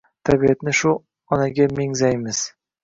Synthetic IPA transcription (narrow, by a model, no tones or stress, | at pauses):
t̪ʰabiat̪nɪʃʊ | ɒnaɡʲameŋzajmɪz̥